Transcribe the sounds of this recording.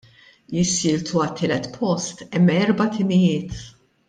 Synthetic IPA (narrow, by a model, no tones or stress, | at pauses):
jɪsːɪːlt̪ʰuɐt̪ʰːɪːlɛt̪pʰɔst̪ɛmːɛɾbɐt̪ʰɪmɪjɪːt̪